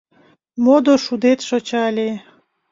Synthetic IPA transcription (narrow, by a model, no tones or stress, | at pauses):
mod̪oʃud̪et̪ʃot͡ɕɑlʲe